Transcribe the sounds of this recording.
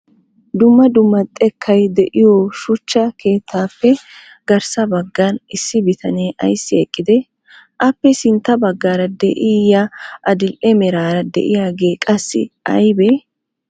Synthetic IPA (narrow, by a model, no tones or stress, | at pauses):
d̪ʊmːɐd̪ʊmːɐt̪ʼːɛkʰːɐjd̪ɛʔɪjoʃʊt͡ʃːɐkʰe̞ːt̪ʰːaːpːɛ | ɡɐɾsɐbɐɡːanɪsːɪbɪt̪ʰɐneːʔɐ̰jsːɪɛkʼːɪd̪ɛ | ʔɐpːɛsɪnt̪ːɐbɐɡːaːɾɐd̪ɛ̰ʔɪjaʔɐd̪ɪlʔɛmɛɾaːɾɐd̪ɛ̰ʔɪjaːɡe̞ːkʼɐsːɪ̰ʔɐjbe